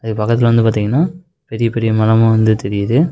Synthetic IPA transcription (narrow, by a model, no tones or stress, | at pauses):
ɐðɯkːɯpɐkːɐt̪ːɪlɐʋɐnd̪ɯpaːɾt̪iːŋɡɐnːaː | pɛɾɪjɐpɛɾɪjɐmɐlɐmʊ̃ʋɐnd̪ɯt̪ɛɾɪjɐðɯ